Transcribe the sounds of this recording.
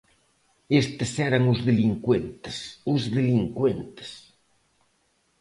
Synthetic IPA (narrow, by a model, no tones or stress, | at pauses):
est̪esɛɾaŋuzðeliŋkwent̪e̥suzðeliŋkwent̪e̥s